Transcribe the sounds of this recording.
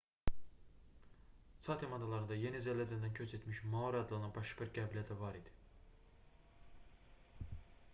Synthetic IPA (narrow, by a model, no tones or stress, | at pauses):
sʰɑt̪ʰemɑnd̪ɑlˠɑɾɯnd̪ɑje̞nizælæɾd̪ænd̪æncʰøt͡ʃʰet̪ʰmiʃmɑoɾɑd̪ɯlˠɯnɯnbɑʃɯbiɾɡæbilʲiæt̪ʰævɑɾid̪̥i̥